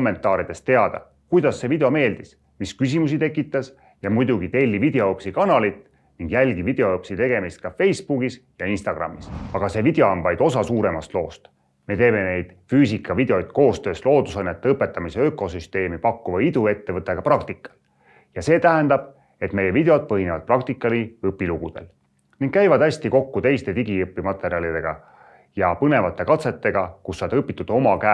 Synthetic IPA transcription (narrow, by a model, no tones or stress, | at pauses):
omːe̞nt̪ːˑɑːɾid̪e̞st̪t̪e̞ɑd̪̥ɑ̰ | kujd̪̥ɑsːe̞vid̪eo̞me̞ːld̪̥is | miskys̬imusit̪e̞kːˑit̪ːˑɑs | jɑmujd̪̥uɡ̥it̪e̞lʲːivid̪̥e̞oopsikɑnɑlit̪ˑː | niŋɡ̥jælʲɡ̥ivid̪̥e̞oopsit̪e̞ɡ̥e̞mist̪̚kɑfe̞jsb̥uɡisjɑinst̪ɑɡ̥rɑ̰mːisɑɡ̥ɑse̞vid̪̥eoɑnvɑjd̪̥o̞sɑsuːɾe̞mɑst̪lo̞̰ːst̪ | me̞t̪e̞ːme̞ne̞jd̪̥fyːsikːˑɑvid̪̥e̞o̞jt̪̚ko̞ːst̪ø̞ːslo̞ːd̪usɑjnːet̪ːeɤpːˑe̞t̪ːˑɑmiseøko̞syst̪e̞ːmipɑkːuvɑid̪ue̞t̪ːevɤt̪ːˑe̞ɡ̥ɑprɑkt̪ikːˑɑ̥l | jɑse̞ːt̪æɦend̪ɑb̥̚ | e̞t̪me̞jevid̪e̞od̪̥̚pɤɦinevɑd̪̚prɑkt̪ikːˑɑliɯpːˑiluɡud̪̥e̞̰l | niŋɡ̥̚kæjvɑd̪æsʲt̪iko̞kːut̪e̞jst̪e̞t̪iɡiɯpːˑimɑt̪ːˑe̞ɾiɑlid̪e̞ɡ̥ɑ | jɑpɤne̞vɑt̪ːˑe̞kɑt̪se̞t̪ːe̞ɡ̥ɑkusːɑd̪ɤpːˑit̪ːˑud̪o̞mɑkæ